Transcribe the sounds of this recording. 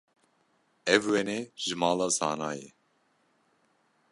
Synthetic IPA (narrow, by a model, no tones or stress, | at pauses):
ɛvwɛneʒɨmɑːlɑːsɑ̰ːnɑːjɛ